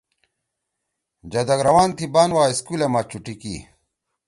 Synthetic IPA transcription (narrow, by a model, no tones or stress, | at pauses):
d͡ʑɐd̪ɐɡɾɐwaːnt̪ʰibaːnwaːiskuːlemaːt͡ɕuʈikḭ